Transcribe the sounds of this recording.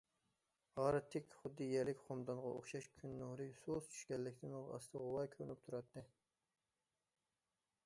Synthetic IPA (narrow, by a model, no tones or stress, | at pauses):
ʁɑːɾɨt̪ʰːɪkʲχʊd̪ːɨjɛlɪkʲχomd̪ɑnʁɑ̰ʔo̰χʃɑʃkʲʰynːohɾɨsost͡ʃʰy̥ʃkʲɛlːɪkʲt̪ʰɪnolɑ̰st̪ʰɨʁʊwɑjkʲʰøɾnyp̚t̪ʰuɾɑt̪ʰːɨ